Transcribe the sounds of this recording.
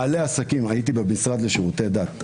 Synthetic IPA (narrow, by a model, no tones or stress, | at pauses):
aleasakimajit̪̬ibemisʁad̪leʃiʁut̪e̞d̪at̪